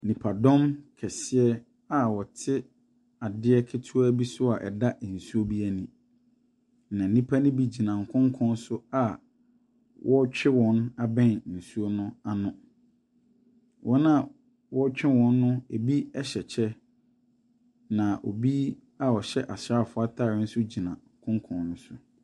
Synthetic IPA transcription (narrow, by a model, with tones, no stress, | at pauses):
nĩ˨pʰa˨dɔ̃˦mkʰɛ˨sɪ˦ɛ˦ | a˨wɔ˨tʰɪ˦ | a˨dɪ˦ɛ˦kʰɪ˦tʰu˦æ˦bi˦sʊ˦a˨ʔɛ̰˨da˦ʔn̩˨su˦o˦bi˦æ˨nĩ˨ | nã˨nĩ˦pʰa˦nɪ̃˦bi˨d͡ʑi˨nã˨ŋ˨kʰɔ̃˦ŋ˦kʰɔ̃˦n˦sʊ˦a˨ | wʔɔ˦t͡ɕᶣɪ˦wɔ̃˦na˨bɛ̃˦˨nn̩˨su˦o˦nʊ̃˦a˨nʊ̃˨ | wʔɔ˦nã˨ | wɔ˦t͡ɕᶣɪ˦wɔ̃˦nː˦ʊ̃˦e˨bi˦ɛ˦ɕɛ˨t͡ɕʰɛ˦ | nã˨ʔo̰˨bi˦ | a˨ɔ˨ɕɛ˦ʔa˨ɕa˦˨fʊ˦a˦tʰaː˦˨ɪ˦n̩˦sʊ˦d͡ʑi˨nã˨ŋ̩˨kʰʊ̃˦ŋkʰɔ̃˨nnʊ̃˦sʊ˦